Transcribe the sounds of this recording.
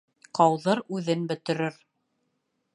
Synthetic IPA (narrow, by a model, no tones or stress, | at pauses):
qɑwðɤɾʉðɘnbɵ̆t̪ɵ̆ɾɘɾ